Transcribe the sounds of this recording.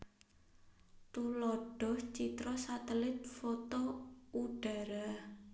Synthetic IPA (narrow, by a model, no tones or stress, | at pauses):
t̪ulɔɖ̥ɔ̤ht͡ʃit̪ɾɔsat̪əlɪt̪̚fot̪ouɖ̥a̤ɾa